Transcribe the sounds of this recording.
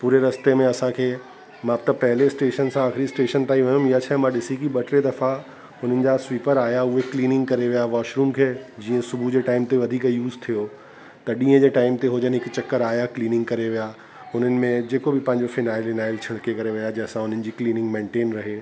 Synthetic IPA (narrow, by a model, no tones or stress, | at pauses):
puːɾeɾɐst̪emẽɐsãkʰeː | mãt̪ɐpɐɦɪlesʈeːʃənsãaːxɪɾisʈeːʃənt̪aːiʋɐjʊ̃mijat͡ɕʰaɦmãɗɪsikiɓɐʈʰɾed̪ɐfa | ɦʊn̤ənɪ̆d͡ʑasʋiːpəɾaːjaʊɦekliːnɪ̃ŋɡkɐɾeʋijaʋaːʃɾuːmkʰeːd͡ʑiːə̃sʊbʱud͡ʑeːʈaːɪmt̪eʋɐd̪ʱiːkjuːzt̪ʰijo | t̪ɐɗĩːə̃d͡ʑeːʈaːɪmt̪eɦʊd͡ʑənɪɦɪkt͡ɕɐkːəɾaːjakliːnɪ̃ŋɡkɐɾeʋija | ʊn̤ənɪ̆mẽd͡ʑeːkobɪpɐ̃ɦɪ̃ɲd͡ʑofɪnaːɪlɪnaːɪlt͡ɕʰɐɽ̤kekɐɾeʋijad͡ʑɛ̃ːsãɦʊn̤ənɪ̆d͡ʑiːkliːnɪ̃ŋɡmẽːɳʈeːnɾɐɦeː